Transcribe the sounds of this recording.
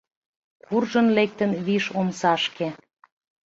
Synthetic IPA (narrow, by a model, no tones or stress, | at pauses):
kurʒə̆nlek̚t̪ə̆nβiʃomsɑʃke